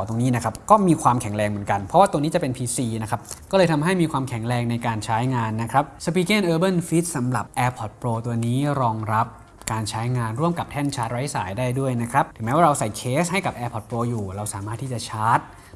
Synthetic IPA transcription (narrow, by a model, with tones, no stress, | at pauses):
t̪o˧ŋniː˦˥na˦˥kʰɾa˦˥p̚kɔː˥˩miː˧kʰwaː˧mkʰɛ˨˩˦ŋɾɛː˧ŋmɯ˩˦nka˧npʰɾɔ˦waː˥˩t̪o˧ŋniː˦˥t͡ɕa˨˩pe˧npʰiː˧siː˧na˦˥kʰa˦˥p̚kkɔː˥˩lːjt̪ʰa˧mɦa˥˩jmiː˧kʰwaː˧mkʰɛ˨˩˦ŋɾɛː˧ŋna˧jkaː˧nt͡ɕʰaː˦˥jŋaː˧nːa˦˥kʰɾa˦˥p̚sa˧piː˧keː˥˩nʔɤː˧bɤ˥˩nfi˦˥t̪̚sa˩˦mɾa̰˨˩p̚ʔɛː˧pʰɔ˨˩t̪̚pɾoː˧t̪u˧niː˦˥ɾɔː˧ŋɾa˦˥p̚ | kaː˧nt͡ɕʰaː˦˥jŋaː˧nɾu˥˩əmka˨˩p̚t̪ʰɛ˥˩nt͡ɕʰaː˦˥t̪̚ɾa˦˥jsaː˩˦jdaː˥˩jdu˥˩əjna˦˥kʰɾa˦˥p̚t̪ʰɯ˩˦mɛː˦˥waː˥˧ɾa˧wsa˨˩jkʰeː˦˥sha˥˩jka˨˩p̚ʔɛː˧pʰɔ˨˩t̪̚pɾoː˧juː˨˩ɾa˧wsaː˩˦maː˥˩t̪ʰːiː˥˩t͡ɕa˨˩t͡ɕʰaː˦˥t̪̚